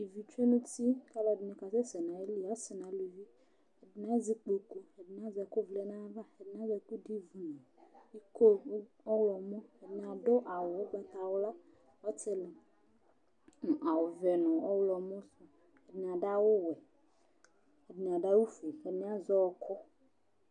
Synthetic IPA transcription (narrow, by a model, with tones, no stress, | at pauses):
i˨vi˨t͡ʃe˦nũ˦ti˦ka˦la˦dnĩ˨ka˨se˦sɛ˨nã˨e˦li˨a˦se˨nã˨˦lu˨vi˦ | e˨dn˦ã˦zi˦k͡po˨ku˦e˨dn˨ã˦zɛ˨ko˦vle˦nã˦va˦e˨dn˦ã˦vɛ˨ku˦di˦vu˨nɔ̃˨i˦ko˦ | ɔ˦wlɔ˨mɔ̃˦e˨dn˨ã˨ɖo˦ʔa˨wo˨wo˦ɡ͡ba˦t̪a˨wo˦la˦ | wɔ˦t͡ʃe˦le˨ | n˨a˨wo˨vɛ˨nɔ̃˨ɔ˦wlɔ˨mɔ̃˦su˨ | e˨dn˨a˨ɖa˦wo˦wɛ˨ | e˨dn˨a˨ɖa˦wu˦fe˨fe˨nĩ˦a˦zɔ˦wɔ˨kʰɔ˦